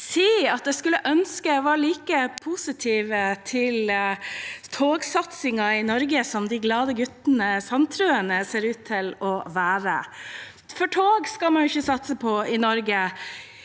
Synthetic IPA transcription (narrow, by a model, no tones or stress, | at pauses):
siːɑt̪̚d̪ɛskʉlːəʔœnskəʋɑːɾɭiːkəpʰuːsɪt̪ʰiːʋət̪ʰɪl | t̪ʰoːɡsɑt̪sɪŋɑɪnɔɾɡəsɔmd̪ɪɡlɑːd̪əɡʉt̪ənəsɑnt̪ʰɾʉːənəseːɾʉːt̪ʰːɪlɔʋæːɾə | fɔʈʰoːɡskɑlmɑnjʊɪçːəsɑt̪səpʰɔɪnɔɾɡə